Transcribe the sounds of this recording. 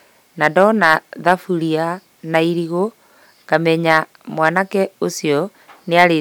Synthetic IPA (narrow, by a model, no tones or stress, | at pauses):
nadɔnaðafuɾia | naiɾiɣo | kamɛɲa | mwanakɛosiɔ | neaɾe